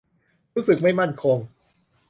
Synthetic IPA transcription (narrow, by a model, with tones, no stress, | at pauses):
ɾuː˦˥sɯ˨˩k̚ma˥˩jma˥˩nkʰo˧ŋ